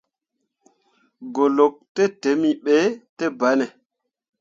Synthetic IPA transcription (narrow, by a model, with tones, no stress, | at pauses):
ɡo˨lo˨k̚te˦te˨˦mi˨ɓe˦te˦ba˨˦ne˨